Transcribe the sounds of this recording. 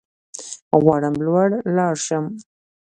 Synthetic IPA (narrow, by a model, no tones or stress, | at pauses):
ɣwaɽəmblwaɽlɑɾʃəm